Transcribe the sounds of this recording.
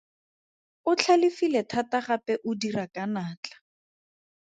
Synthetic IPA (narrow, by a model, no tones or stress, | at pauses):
ʊt͡ɬʰalɪfilɛtʰataχapɛʔʊdirakanaːt͡ɬḁ